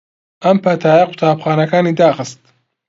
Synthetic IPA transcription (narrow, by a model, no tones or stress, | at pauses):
ʔɐmpʰɐt̪ʰaːjɐqʰʊ̥t̪ʰaːbχaːnɐkaːniːd̪aːxɨst̪